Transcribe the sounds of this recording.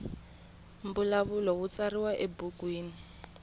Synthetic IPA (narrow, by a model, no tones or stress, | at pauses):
m̩bulaβulɔwut͡sariwaʔebukwiːni